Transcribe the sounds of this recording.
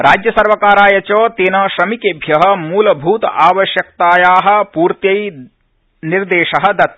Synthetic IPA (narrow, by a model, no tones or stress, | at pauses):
ɾʔaːd͡ʒjɐsɐɾʋɐkaːɾaːjɐt͡ʃoːt̪eːnɐʃɾɐmikeːbʱjɐɦɐ̆muːlɐbʱuːt̪ɐaːʋɐʃjɐk̚t̪aːjaːɦɐ̆puːɾt̪jɐj | niɾd̪eːʃɐɦɐ̆d̪ɐt̪̚